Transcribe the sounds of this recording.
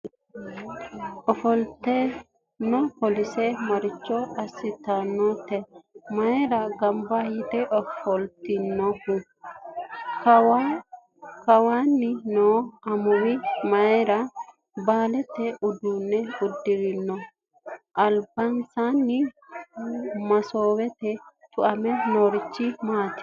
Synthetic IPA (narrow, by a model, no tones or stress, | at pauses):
ɔfɔlt̪e | nːɔpɔlisɛmɐɾɪt͡ʃːɔɐsːɪt̪anːɔt̪ɛmɐjɾaɡɐmbahit̪ɛʔɔfɔlt̪inːɔfu | k | kɐwaːnːɪnoːɐmʊwɪmɐjɛɾɐ | baːlɛt̪ːɛʊd̪uːnːɛʊd̪ːɪɾɪnːɔ | ʔɐlbɐnsanːɪ | mɐsoːwɛt̪ɛt̪ʊʔɐmɛnoːɾɪt͡ʃːɪmaːt̪ɪ̥